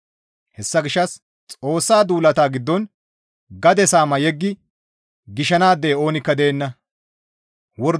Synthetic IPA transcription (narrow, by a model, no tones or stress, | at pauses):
hɛsːɐɡɪʃːɐs | t͡sʼo̞ːsːaːd̪uːlɐt̪aːɡɪd̪ːɔn | ɡɐd̪ɛsaːmɐjɛɡːɪ | ɡɪʃɐnaːd̪ːe̞ːo̞ːnɪkːɐd̪eːnːɐ | wɔɾ